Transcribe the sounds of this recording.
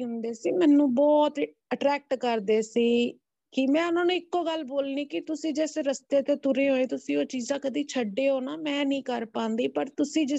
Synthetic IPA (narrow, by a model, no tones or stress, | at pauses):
ʊnd̪eːsiːmɛ̃ːnũːbɔːt̪ | əʈɾɛːk̚ʈkəɾd̪eːsiː | kɪmɛ̃ːʊnãːnũːɪkːoːɡəlboːlniːkɪt̪ʊsĩːd͡ʒɛːsɾəst̪eːt̪eːt̪ʊɾeːɦoːẽːt̪ʊsĩːoːt͡ʃiːzãːkəd̪iːt͡ʃʰəɖːeːɦoːnaːmɛ̃ːnĩːkəɾpãːnd̪iːpəɾt̪ʊsĩːd͡ʒɪ